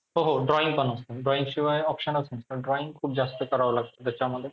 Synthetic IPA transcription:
ɦoɦoɖɾɔiŋpɔnast̪eɖɾɔiŋʃiwaeɔpʃɔnot͡ɕʰenisaɖɾɔiŋkʰubd͡ʑast̪ekɔɾaolaɡt͡ɕʰed̪et͡ɕʰeamad̪eɾ

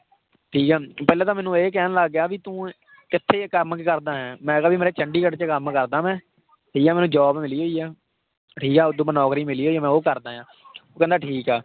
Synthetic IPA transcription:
ʈʰiːkɛːpɛːlaːt̪ãːmɛ̃ːnũːeːk̬ɛːnləɡjaːʋiːt̪ũː | ɪt̪ʰːeːkəɾmkkəɾd̪aːɦɛ̃ːmɛ̃ːkəbiːmeːɾeːt͡ʃʰəɳɖiːkəʈt͡ʃəkəmkəɾd̪aːmɛ̃ː | ʈʰiːkɛːmɛːnũːd͡ʒɔːbmɪliːɦoːiːaː | ʈʰiːkɛːʊd̪ũːpənɔːkɾiːmɪliːɦoːiːɛːmɛ̃ːoːkəɾd̪aːjãː | oːkɛ̃ːnd̪aːʈʰiːkɛː

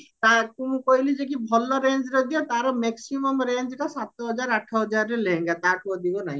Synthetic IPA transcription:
t̪ak̪ũũkɔɦilid͡ʒek̬ibʱɔlɔɾeɲd͡ʒɾɔd̪iɔt̪aɾɔmeksimɔmɾeɲd͡ʒʈasat̪ɔɦɔd͡ʒaɾaʈʰɔɦɔd͡ʒaɾɔɾeleɦẽŋɡat̪akuɔd̪ibɔnaɦĩ

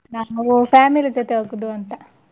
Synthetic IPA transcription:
naːʋupaːmilid͡ʒot̪eoɡud̪uɐnt̪ɐ

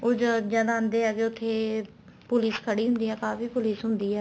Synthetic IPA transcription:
oːd͡ʒad͡ʒjaːd̪aənd̪eːɛːkeʊt̪ʰːeː | pʊlɪskʰəɽiːɦʊ̃nd̪iːɦɛːkaːfiːpʊliːsɦʊ̃nd̪iːɦɛː

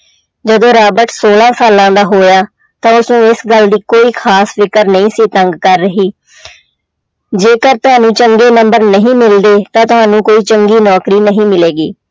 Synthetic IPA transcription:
d͡ʒəd̪õːɾaːbəɾʈsoːlãːsaːlãːd̪aːɦoːjaː | t̪ãːʊsnũːɪsɡəld̪iːkoːiːkʰaːsfɪkəɾnəĩːsiːt̪əŋɡkəɾːəɦiː | d͡ʒeːkəɾt̪ʊɦãːnũːt͡ʃəŋɡeːnəmbəɾnəɦĩːmɪld̪eːt̪ãːt̪ʊɦaːnũːkoːiːt͡ʃəŋɡiːnɔːkɾiːnəɦĩːmɪleːɡiː

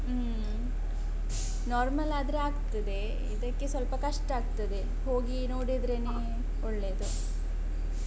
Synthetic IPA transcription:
naːɾmɐlaːd̪ɾeaːɡt̪ɐd̪e̞ | ḭd̪ɐkːe̞sʋɐlpɐkɐʂʈaːɡ̚t̪ɐd̪e̞ | ɦo̞ːɡinoːɽid̪ɾene | ɔɭːeːd̪u

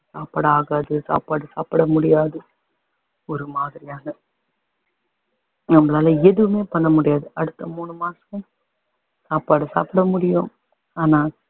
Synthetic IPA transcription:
saːpaːɽɐaːɣaːðɯsa̰ːpaːɽɯsa̰ːpɐɽɐmʊɽɪjaːðɯ | ɔɾɯmaːðɪɾɪjaːnɐ | nɐmːɐlaːlɐɛðɯʋɯmeːpɐɳːɐmʊɽɪjaːðɯɐɽɯt̪ːɐmuːnɯmaːsɐ̃ | saːpaːɽɯsa̰ːpɐɽɐmʊɽɪjʊ̃ | aːnaː

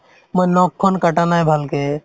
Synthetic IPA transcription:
məjnɔkʰːɔnkəʈanajbʱəlke

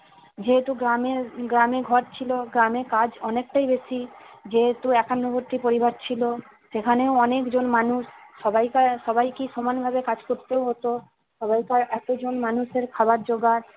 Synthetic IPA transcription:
d͡ʑeɦet̪uɡɾameɡɾameɡʱɔɾt͡ɕʰiloɡɾamekad͡ʑɔnek̚ʈajbeʃid͡ʑeɦet̪uɛkanːoboɾt̪ipoɾibaɾt͡ɕʰilo | ʃekʰaneoɔnekd͡ʑonmanuʃːɔbajkaʃɔbajkiʃɔmanbʱabekad͡ʑkoɾt̪eoɦot̪o | ʃɔbajkaɾɛt̪od͡ʑonmanuʃeɾkʰabaɾd͡ʑoɡaɾ

